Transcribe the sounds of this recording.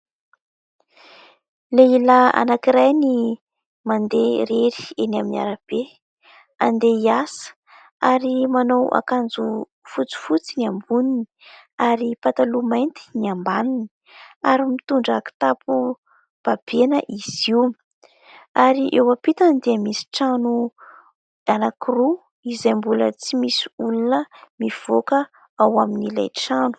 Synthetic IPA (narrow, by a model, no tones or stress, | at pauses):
leilaa̰nakiɾajni | mand̪eɾeɾi̥enaminia̰ɾab̥e | and̪eiasə̥ | aɾimanowʔa̰kand͡zu | fut͡si̥fut͡siniambunini̥ | aɾipat̪alumajnt̪i̥niambanini̥ | aɾimit̪uɳɖ͡ʐaki̥t̪apu | b̥ab̥enəʔiz̥im | aɾiʔewapit̪and̪iəmisi̥ʈ͡ʂanu | anakiru | izajmbulə̰t͡simisi̥ulunəmiv̥okə | awaminila̰jʈ͡ʂanu̥